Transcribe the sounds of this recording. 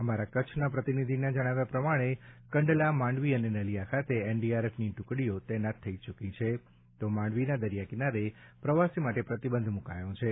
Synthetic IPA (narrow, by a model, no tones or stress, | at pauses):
əmaɾakət͡ʃʰnapɾət̪inid̪ʱinad͡ʒəɽ̃aʋjapɾəmaɽ̃ekəɳɖlamãɳɖʋiənenəlijakʰat̪eenɖiaɾefʰniʈʊkɽiot̪enat̪ʰːəit͡ʃukĩt͡ʃʰe | t̪omãɳɖʋinad̪əɾijakinaɾepɾəʋasimaʈepɾət̪ibənd̪ʱmuka̰jõt͡ʃʰe